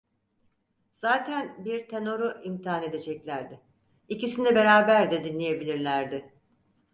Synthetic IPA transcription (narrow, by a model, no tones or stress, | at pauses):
z̥aːt̪ʰænbiɾt̪ʰe̞no̞ɾuʔimt̪ʰiaːne̞d̪e̞d͡ʒɛclʲæɾd̪ɪ | icisinɛbe̞ɾaːbæɾd̪ɛd̪inlʲeje̞bilʲiɾlʲæɾd̪ɪ